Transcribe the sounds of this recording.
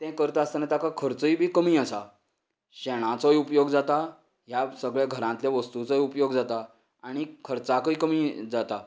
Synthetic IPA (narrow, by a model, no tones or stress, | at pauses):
t̪ɛ̃kəɾt̪əast̪anat̪akakʰəɾt͡səibʱiːkəmiːəsa | ɕɛɽ̃ãt͡sɔjupjoɡd͡zat̪a | ɦjasəɡɭjaɡʱəɾãnt̪ljaʋəst̪ut͡sɔjupjoɡd͡zat̪a | aɽ̃ikʰəɾt͡sakəikəmiːd͡zat̪a